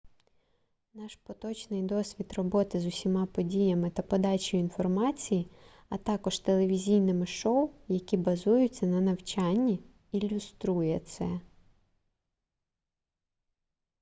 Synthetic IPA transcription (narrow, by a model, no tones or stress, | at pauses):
nɑʃpɔt̪ɔt͡ʃnɪjd̪ɔsʲʋʲit̪rɔbɔt̪ɪzʊsʲimɑpɔdʲijɐmɪt̪ɐpɔd̪ɑt͡ʃɔjʊinfɔrmɑt͡sʲiji | ɐt̪ɑkɔʒt̪elˠeʋʲizʲijnɪmɪʃɔwʊjɐkʲibɐzujʊt͡sʲːɐnɐnɐwt͡ʃɑnʲːi | ilʲʊst̪ɾujɛt̪sɛ